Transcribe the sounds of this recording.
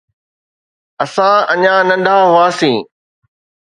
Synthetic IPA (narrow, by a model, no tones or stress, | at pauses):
ɐsãɐɲãnɐ̃nɖ̪ʱaɦʊaːsĩː